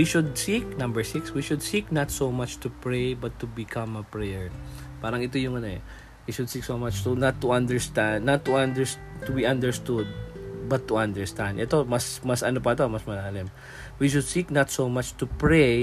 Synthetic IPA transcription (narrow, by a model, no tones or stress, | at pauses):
wiʃʊd̪̚sik̚nɐ̃mbɛɹsikswiʃʊd̪siknɐt̪somat͡ʃt̪upɹejbɐt̪ːubɪkʰɐ̃mɐpɹɛjɛɹ | paːɾɐŋɪt̪ojʊŋɐnoɛ̰ | wiʃʊd̪̚siksomat͡ʃt̪unɐt̪ːuʔɐ̃nd̪ɛɹst̪ãnd̪nːɐt̪ːuʔãnd̪ɛɹs | t̪ʊbiʔɐ̃nd̪ɛɹst̪ud̪̚bɐt̪ːʊʔɐ̃nd̪ɛɹst̪ãnd̪ʔɛt̪omɐsmɐsʔɐnopɐt̪omɐsmɐlaːlɪm | wiʃʊd̪̚sik̚nɐt̪somat͡ʃt̪upɹej